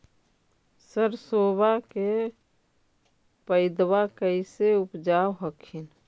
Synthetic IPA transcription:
səɾsoːbake | pəɪd̪wakəɪseʊpd͡ʒawɦəkʰin

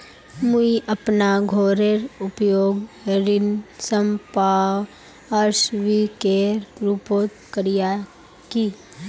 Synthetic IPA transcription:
muiʔəpnaɡʱoːɾeɾʊpjoːɡɾɪnsəmpaːw | əɾsʋikeːɾɾuːpoːt̪kəɾija | ki

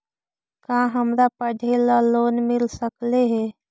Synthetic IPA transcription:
kãɦəmɾapəɖʱelaloːnmɪlsəkleɦɛ

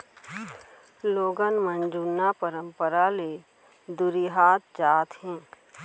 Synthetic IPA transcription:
loːɡənmənd͡ʒunːapəɾə̃mpəɾale | d̪ʊɾiɦaːt̪̚d͡ʒaːt̪ɦɛ̃ː

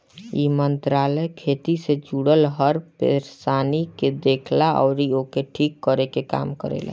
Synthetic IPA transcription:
jḭmənt̪ɾaːləjkʰeːt̪ised͡ʒuːɽəlɦəɾpḛɾsaːniked̪eːkʰlaʔɔ̰ːɾioːkeʈʰiːkːəɾekeka̰ːmkəɾḛːla̰

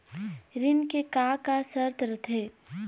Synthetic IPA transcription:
ɾɪnkekakasəɾt̪ʰɾət̪ʰeː

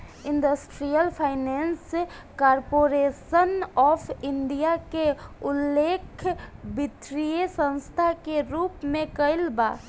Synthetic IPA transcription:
ɪ̃nɖəsʈɾijəlpʰaːɪnɛːns | kaːɾpoːɾeːsənɔːpʰɪ̃nɖijakeʊlːeːkʰbɪt̪ɾijesə̃nst̪ʰakeɾuːpmẽkəɪlba̰ː

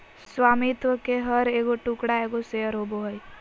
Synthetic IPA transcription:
swaːmit̪ʋəkeɦəɾeːɡoʈuːkɽaeːɡosejəɾɦoboɦəj

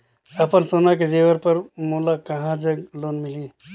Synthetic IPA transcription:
əpənsonaked͡ʒeʋəɾpəɾmulakəɦãd͡ʒəɡloːnmili

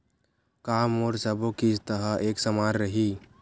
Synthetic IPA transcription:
kaːmoːɾsəbõkist̪əɦəʔeːksəmaːɾɾəɦiː

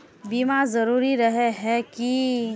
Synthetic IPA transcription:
biːmazɐɾuːɾiɾɐɦeɦɛki

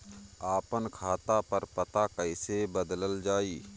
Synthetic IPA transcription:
aːpənkʰaːt̪apəɾpət̪akəɪsebəd̪ləld͡ʒaːiː

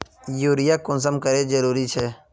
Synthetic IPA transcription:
juːɾɪjakʊ̃ns̬əmkəɾed͡ʒəɾuːɾit͡ʃʰɛː

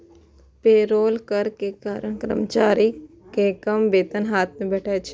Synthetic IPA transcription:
peːɾoːlkəɾkekaːɾəɳ̃kɾə̰mt͡ʃaːɾi | kekəmbeːt̪ənɦaːt̪̚ʰmẽbɛːʈʰaːet͡ʃʰe

